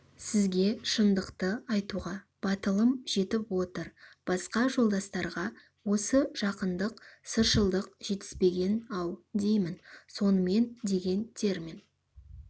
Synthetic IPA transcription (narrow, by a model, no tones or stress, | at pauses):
sɪzɡʲe̞ʃənd̪əqt̪əɑjt̪uʁɑ | b̥ɑt̪əlˠəmʒ̥e̞t̪ɪpwo̞t̪əɾb̥ɑsqɑʒo̞lˠd̪ɑst̪ɑɾʁɑ | wo̞səʒ̥ɑqənd̪əqsəɾʃəlˠd̪əq̚ʒ̥e̞t̪ɪ̥spe̞ɡʲe̞nɑwd̪e̞jmɪnso̞nəme̞nd̪e̞ɡʲe̞nt̪ʰe̞ɾmin